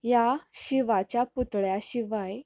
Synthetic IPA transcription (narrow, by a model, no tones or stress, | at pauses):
jaɕiʋat͡ɕjaput̪ɭjaɕiʋaj